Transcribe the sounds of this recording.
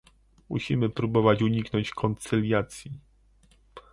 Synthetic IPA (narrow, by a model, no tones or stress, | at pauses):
mṵɕimɘpɾubɔvat͡ɕuɲiknɔɲt͡ɕkʰɔnt̪sɘlʲjat̪sʲji